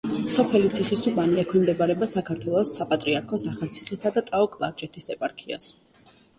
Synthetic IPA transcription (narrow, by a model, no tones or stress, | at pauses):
sɔpʰɛlit̪sʰiχisubʼaniɛkʰwimd̪ɛbaɾɛbasakʰaɾt̪ʰwɛlˠɔsːapʼat̪ʼɾiaɾkʰɔsaχalˠt̪sʰiχisad̪at̪ʼaɔkʼlˠa̰ɾd͡ʒʼɛt̪ʰisɛpʼaɾkʰia̰s